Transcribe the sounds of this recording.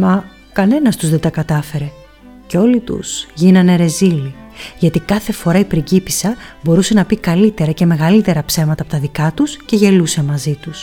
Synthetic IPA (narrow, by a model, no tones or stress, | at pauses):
mɐ | kɐne̞nɐst̪uzðe̞t̪ɐkɐt̪ɐfe̞ɾe̞ | ceo̞lit̪ṵsʝinɐne̞ɾe̞zili | ʝɐt̪ikɐθe̞fo̞ɾɐipɾiɟipi̥sɐbo̞ɾuse̞nɐpikɐlit̪e̞ɾɐce̞me̞ɣɐlit̪e̞ɾɐpse̞mɐt̪ɐːpo̞t̪ɐðikɐt̪usce̞ʝe̞luse̞mɐzit̪us